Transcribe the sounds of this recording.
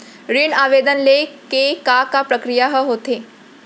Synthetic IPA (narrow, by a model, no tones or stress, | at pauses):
ɾiɳaʋed̪ənlekekakapɾəkɾijaɦəɦot̪e